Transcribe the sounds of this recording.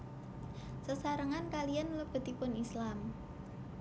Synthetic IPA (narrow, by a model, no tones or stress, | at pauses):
səsaɾəŋankalijanləb̥ə̤t̪ipʊnislam